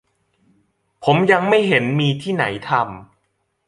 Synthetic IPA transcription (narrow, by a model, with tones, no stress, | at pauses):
pʰo˩˦mja˧ŋma˥˩jɦe˩˦nmiː˧t̪ʰiː˥˩na̰˩˦jt̪ʰa˧m